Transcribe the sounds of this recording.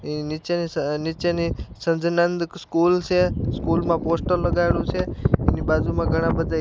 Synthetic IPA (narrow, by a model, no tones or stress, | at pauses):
nɪt͡ʃeninit͡ʃenisə̃nd͡ʒnənd̪kskult͡ʃʰeskulmãposʈəlləɡajlũt͡ʃʰeɛnibaːd͡ʒumãɡʱəɽ̃ãbəd̪ʱa